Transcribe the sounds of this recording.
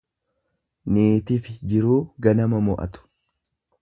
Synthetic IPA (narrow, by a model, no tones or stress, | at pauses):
niːt̪ɪfɪd͡ʒɪɾuːɡɐnɐmɐmɔʔɐ̰t̪ʊ̥